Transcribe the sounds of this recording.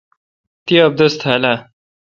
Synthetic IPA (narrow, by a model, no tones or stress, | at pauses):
t̪iɐb̚d̪ɐst̪ʰhala